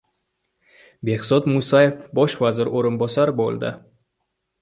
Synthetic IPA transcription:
behsɒt̪musajefbɒʃvazɪɾoɾɨnbɒsaɾbo̰lˠd̪ɪ̰

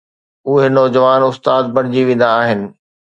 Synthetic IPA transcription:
ʊɦenɔːd͡ʑəʋaːnʊst̪aːd̪̚bɐɽ̃d͡ʑiʋẽːn̆d̪aːɦɪnɪ̆

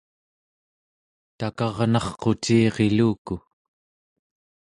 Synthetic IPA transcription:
t̪akɑʁnɑχqo̞t͡ʃiːʁe̞luːku

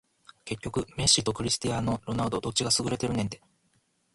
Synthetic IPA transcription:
ke̞kʲːo̞kɯ̟me̞ɕit̪o̞kɯ̟ɾʲisɨ̥t̪ijano̞ɾo̞naɯd̪od̪o̞t͡ɕːiɡasɨɡɯ̟ɾe̞t̪e̞ɾɯ̟nent̪e̞

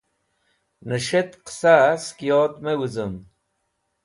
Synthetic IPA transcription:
nəʂet̪qsaskijoːt̪mewuzəm

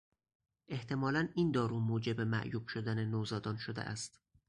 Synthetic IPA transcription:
ʔe̞ht̪ʰe̞mɒːlæniːnd̪ɒːɾuːmoːd͡ʒe̞bemæ̰ʔjuːb̥ʃod̪ænenoːzɒːd̪ɒːnʃod̪ḛʔæ̰st̪

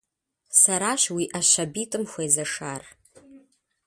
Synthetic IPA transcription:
saɾaːʃwiʔaʃabitʼɨmxʷajzɐʂar

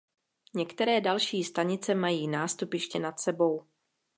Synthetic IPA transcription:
ɲɛkt̪ɛɾɛːdalʃiːst̪aɲɪt͡sɛmajiːnaːst̪upjɛʃcɛnat̪sɛbo̞w

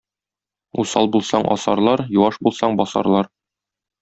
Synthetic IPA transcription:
usɑlˠbulˠsɑɴʔɒ̰sɑ̰ɾlˠɑɾjuwɑʃbulˠsɑɴbɒsɑ̰ɾlˠɑɾ

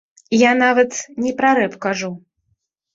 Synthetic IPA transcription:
janavɐt̪nʲɛpɾaɾɛpkaʐu

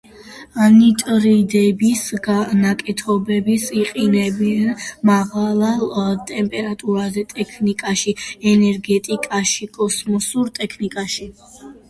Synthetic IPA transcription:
anit̪ʼɾid̪ɛbisɡnakʼɛt̪ʰɔbɛbisiqʼinɛbianmaʁalˠalt̪ʼɛmpʼɛɾat̪ʼuɾad̪ɛt̪ʼɛkʰnikʼaʃiɛnɛɾɡɛt̪ʼikʼaʃikʼɔsmɔsuɾt̪ʼɛkʰnikʼaʃi

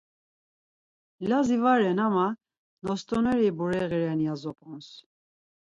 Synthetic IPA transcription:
lazivaɾɛnama | nɔst̪ʼɔnɛɾibuɾɛɣiɾɛnijazɔpʼɔns

